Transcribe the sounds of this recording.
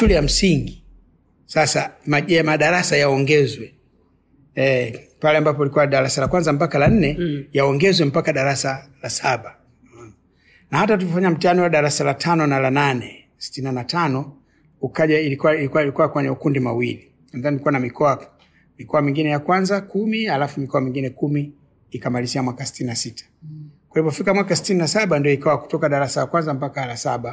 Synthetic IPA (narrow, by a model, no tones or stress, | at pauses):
ʃulɛjam̩siŋɡi | sasamaʄɛmaɗaɾasajaɔŋɡɛzwɛ | ɛ | palɛambap̬ɔilikuwaɗaɾasalakwanzamp̬akalan̩nɛjaɔŋɡɛzwɛm̩pakaɗaɾasalasaɓa | nahatat̬uvifaɲam̩tianiwaɗaɾasalatʰanɔnalananɛ | si̥tinanatanɔ | ukaʄailikiikualikuwakwɛɲɛukundimwa̰wili | nanðanilikuwanamikʰɔa | mikɔamiŋɡinɛjakwanzakumialafumikɔamiŋɡinɛkumiː | kamaliziamwakasi̥tininasitʰḁkwahivɔfikamwakasi̥tininasaɓandijɔikawaku̥tɔkaɗaɾasalakwanzam̩pakalasaɓa